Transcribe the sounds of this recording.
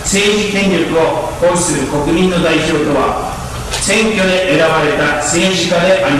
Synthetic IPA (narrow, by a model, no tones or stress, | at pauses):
se̞ːʑikẽ̞ɲɾʲokɯ̟o̞koɾɯsɨɾɯ̟ko̞kɯ̟mʲĩnːo̞d̪aiʑo̞ːt̪o̞βa̰ | sẽ̞ŋkʲo̞d̪e̞ʔeɾaβaɾe̞t̪ase̞ːʑikad̪e̞ʔai